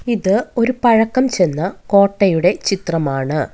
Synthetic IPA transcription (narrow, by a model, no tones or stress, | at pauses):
iðɨo̞ɾupɐɻɐkːɐmt͡ɕe̞nːɐko̞ːʈːɐjuɽe̞t͡ɕit̪rɐmaːɳɨ